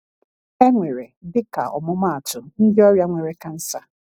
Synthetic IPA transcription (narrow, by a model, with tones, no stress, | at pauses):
e˦ŋʷe˨ɾe˨dɪ˦ka̰˨ʔɔ̰˨mʊ˦ma˦a˨tʊ˨n̩˦dɪ˦ɔ˦ɾja˦ŋʷe˨ɾe˦ka˦n̩˦sa˨